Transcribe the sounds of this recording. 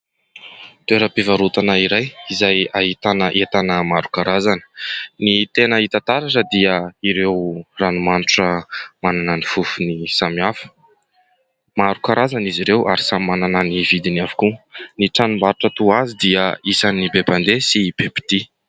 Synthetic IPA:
t̪weɾəpivaɾut̪anəiɾajizajaɦit̪anəʔet̪anəmaɾu̥kaɾazanə̥nit̪enəit̪at̪aɾaʈ͡ʂəd̪iəiɾewranimanuʈ͡ʂəmananənifufunisamiafə̥ | maɾukaɾazaniziɾewʔaɾisammanananivid̪inavu̥kuniʈ͡ʂanumbaɾuʈ͡ʂət̪uazid̪iəisanibeband̪esib̥ebi̥t̪i

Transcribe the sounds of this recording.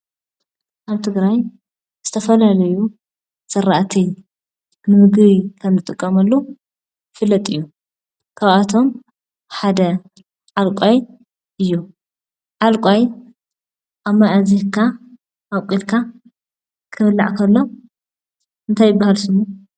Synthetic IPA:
ʔaβt̪ʰɨɡɾaj | z̥ɨt̪ʰɐfɐlalɐju | sɐɾaʔt̪ʰij | nɨmɨɡɾikʰɐmzɨt̪ʼɨkʼːɐmɐlːo | fɨlːɐt̪ʼɨjːu | kʰaβat̪ʰo̞m | ħad̪ɐ | ʕalkʷʼaj | ʔɨjːu | ʕalkʼaj | ʔaβmaʔazihkʰa | ʔawkʷʼilkʰa | kʰɨβɨlːa̰ʕkʰɐlːo̞ | ʔɨnt̪ʰajːɪbːahalsɨmːu

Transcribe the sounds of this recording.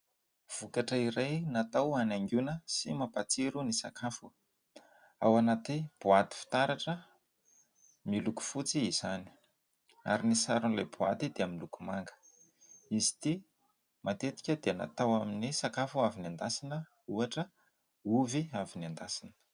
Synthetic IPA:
v̥ukaʈ͡ʂəiɾajnat̪awanaŋɡunəsimapat͡siɾunisakʰafu | awanat̪ib̥uat̪i̥fi̥t̪aɾaʈ͡ʂə | miluku̥fut͡siːz̥ani̥ | a̰ɾinisaɾunlajbuat̪id̪eaminlukumaŋɡə̥ | izi̥t̪i | mat̪et̪i̥kʲəd̪eana̰t̪awaminisakafuaviniand̪asinə | uaʈ͡ʂə | uviaviniand̪asinə̥

